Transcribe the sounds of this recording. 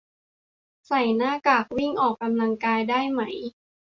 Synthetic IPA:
sa˨˩jnaː˥˩kaː˨˩k̚wi˥˩ŋʔɔː˨˩kːa˧mla˧ŋkaː˧jdaː˥˩jma˦˩j

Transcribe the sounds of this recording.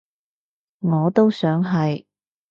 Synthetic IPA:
ŋɔː˨˧t̪o˥wsœː˨˥ŋɦɐ˨j

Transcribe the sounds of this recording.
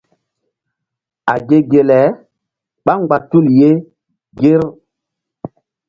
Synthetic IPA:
a˨ɡe˦ɡe˨lɛ˨˦ | ɓa˦ŋɡ͡ba˨tu˦˨lje˦ | ɡe˦ɾ

